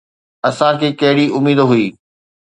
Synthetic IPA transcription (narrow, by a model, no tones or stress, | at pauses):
ɐsãkʰeːkɐɦɪɽiʔʊmiːd̪ɦʊiː